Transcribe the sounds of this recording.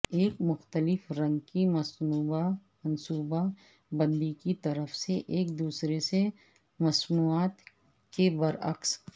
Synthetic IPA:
eːkmʊxt̪əlɪfɾɐ̃ŋɡkimɐsuːbamɐnsuːba | bɐ̃nd̪ikit̪ɐɾəfseʔeːk̚d̪uːsɾese | mɐsnuːaːt̪ | kebɐɾɐ̰ks

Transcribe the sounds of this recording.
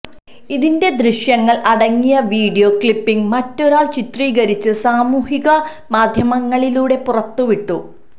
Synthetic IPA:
iðinde̞d̪riɕjɐŋːɐɭʔɐɽɐŋːijɐʋiːɽijo̞kɭipːiŋɡmɐtːo̞ɾaːɭt͡ɕit̪riːɣɐɾit͡ɕːɨsaːmuːhiɣɐ | maːd̪ʱjɐmɐŋːɐɭiluːɽe̞purɐt̪ːuʋiʈːu

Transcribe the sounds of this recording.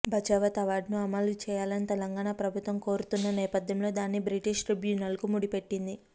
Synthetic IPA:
bʱɐt͡ʃaːʋɐt̪ɐʋaːɾɖnuɐmɐlut͡ʃɛːjaːlɐnit̪ɛlɐŋɡaːɳapɾɐbʱut̪ʋɐmko̞ːɾut̪unːɐnɛːpɐd̪ʱjɐmlo̞ːd̪aːnːibɾiʈiʂʈɾibjuːnɐlkumuɽipe̞ʈːind̪i

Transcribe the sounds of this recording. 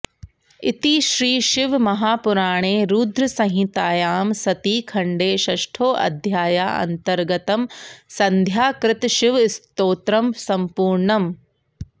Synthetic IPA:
ɪ̰t̪iːʃɾiːʃɪʋmɐɦaːpʊɾaːɽ̃eːɾuːd̪ɾɐsɐ̃ɦĩt̪aːjaːmsɐt̪iːkʰɐɳɖeːʃɐʃʈʰoːʔɐ̰d̪ʱjaːjaːɐ̰nt̪ɐɾɡɐt̪ɐmsɐ̃nd̪ʱjaːkɾɪt̪ʃɪʋɪst̪oːt̪ɾɐmsɐmpuːɾɳɐm

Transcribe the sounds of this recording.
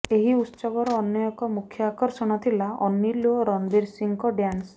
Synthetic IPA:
eɦiut̪ːsɔɡɔɾɔːnjɔjɔkɔmukʰjɔakɔɾsɔɽ̃ɔt̪ʰilaɔnːiloɾɔnbiɾsiŋkɔɖjans

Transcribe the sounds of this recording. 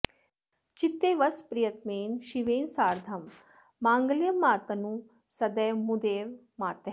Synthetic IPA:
t͡ʃit̪ːeːʋɐspɾijɐt̪meːnʃiʋeːnsaːɾd̪ʱɐmː | aːŋɡljɐmaːt̪ɐnu | sɐd̪ɐjmud̪eːʋ | maːt̪ɐ

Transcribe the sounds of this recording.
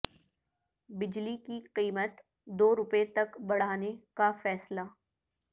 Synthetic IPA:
bɪd͡ʒlikiqiːmət̪ | d̪oːɾʊpet̪ɐkbɐɽ̤aːnekafɛːslaː

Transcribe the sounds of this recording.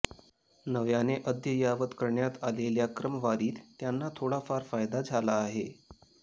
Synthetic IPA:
nəʋjaneʔəd̪jəjaʋət̪kəɾɳjat̪aleljakɾəməʋaɾiːt̪ːjanːat̪ʰoɽafaɾfajd̪ad͡zʱalaːɦe

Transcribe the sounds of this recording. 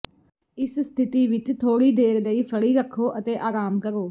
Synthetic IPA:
ɪsst̪ʰɪt̪iːʋɪt͡ʃt̪ʰoːɽiːd̪eːɾləiːpʰəɽiːɾəkʰːoːʔət̪eːʔaːɾaːmkəɾoː

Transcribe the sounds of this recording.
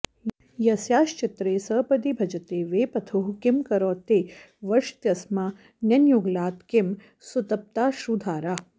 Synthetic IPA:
jɐsjaːʃt͡ʃɪt̪ɾeːsəːpɐd̪ibʱɐd͡ʒɐt̪eːʋeːpɐt̪ʰuɦkɪmkɐɾoːt̪eː | ʋɐʃt̪jɐsma | njɐnjuɡlaːt̪kɪm | sut̪ɐp̚t̪aːʃud̪ʱaːɾa

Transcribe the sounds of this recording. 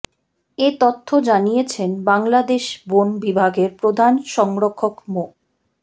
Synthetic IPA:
et̪ot̪ʰːod͡ʑanijet͡ɕʰenbaŋlad̪eʃbonbibʱaɡeɾpɾod̪ʱanʃɔŋɾokʰːokmo

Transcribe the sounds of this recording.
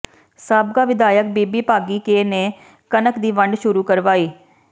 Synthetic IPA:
saːbɡaːʋɪd̪aːjək̚biːbiːpaːɡiːkeːneː | kənəkd̪iːʋəɳɖʃʊɾuːkəɾʋaːiː

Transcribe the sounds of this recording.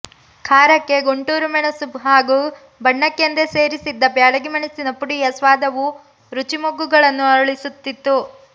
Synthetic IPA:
kʰaːɾɐkːe̞ɡoɳʈuːɾumɐɳɐsubɦaːɡuː | bɐɳːɐkːend̪ese̞ːɾisid̪ːɐbjaːɭɐɡimɐɳisinɐpuɽijɐsʋaːd̪ɐʋu | ɾut͡ʃimoɡːuɡɐɭɐnːuɐɾɭisut̪ːit̪ːu

